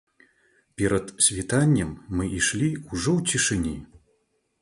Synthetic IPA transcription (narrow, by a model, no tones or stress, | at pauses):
pʲɛɾɐt̪sʲvʲit̪anʲːɐmːɨʔiʂlʲiuʐɔwt͡sʲiʂɨnʲi